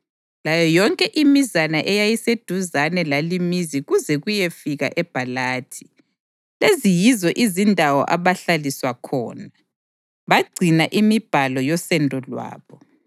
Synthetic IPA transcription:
lajɔjɔŋkʼɛʔimizanaʔɛjajised̥ʱuzanɛlalimiziɣuzɛɣujefiɣa̰ʔɛb̥ʱalaːtʰi̥ | lezijizɔʔizindʱawɔ̰ʔaβaɬaliswakʰɔ̰ːna | βaɡ͡ǀʱinaʔimib̥ʱalɔjɔsɛndʱɔlwa̰ːβɔ

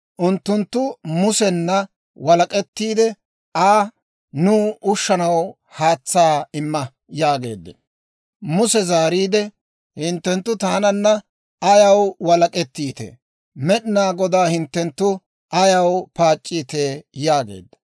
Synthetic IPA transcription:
ʔʊnt̪ːʊnt̪ːʊmʊsɛnːɐ | wɐlɐkʼɛt̪ːiːd̪ɛ | aː | nʊːʊʃːɐnɐw | haːt͡sːaːɪmːɐ | jaːɡe̞̰ːd̪ːɛ | mʊsɛzaːɾiːd̪ɛ | hɪnt̪ːɛnt̪ːʊt̪aːnɐnːɐ | ɐjɐwwɐlɐkʼɛt̪ːiːt̪ɛ̰ | mɛɗɪnaːɡɔd̪aːhɪnt̪ːɛnt̪ːʊ | ʔɐjɐwpaːt͡ʃʼːiːt̪eːjaːɡḛːd̪ːɐ̥

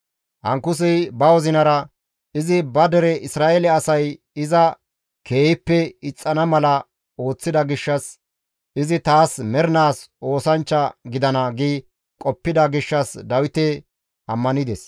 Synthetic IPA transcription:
hɐŋkʊs̬ɪjbɐwɔzɪnɐɾɐ | ɪzɪbɐd̪ɛɾɛʔɪsɾaːʔelɛɐsɐj | ɪzɐ | kʰe̞ːjɪpːɛɪt͡sʼːɐnɐmɐlɐ | o̞ːt͡sːɪd̪ɐɡɪʃːɐs | ʔɪzɪt̪aːsmɛɾnaːso̞ːsɐnt͡ʃːɐɡɪd̪ɐnɐɡiː | kʼɔpːɪd̪ɐɡɪʃːɐsd̪ɐwɪt̪ɛ | ʔɐmːɐnɪd̪ɛs

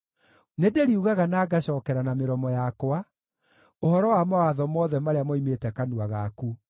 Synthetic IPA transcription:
nedeɾiuɣaɣanaːɡaɕɔːkɛɾanameɾɔmɔjakwa | ohɔɾɔwamawaðɔmɔːðɛmaɾeamɔimetɛkanuaɣaku

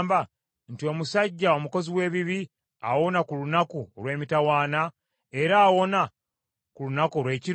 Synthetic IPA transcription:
mba | ntio̞musaɟːao̞muko̞ziwe̞ːβiβi | awo̞nakulunakulwe̞ːmitawaːna | e̞ɾaːwo̞na | kulunakoɾwe̞ːciɾ

